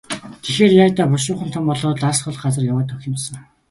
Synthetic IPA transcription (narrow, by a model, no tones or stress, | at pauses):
t̪ʰexeːrjaːt̪aːpʊʃʊːχənt̪ʰɔmpɔɮɔːɮasχɞ̆ɮɢat͡sə̆rjawaːt̪ʰɵxʲɪ̆msə̆ŋ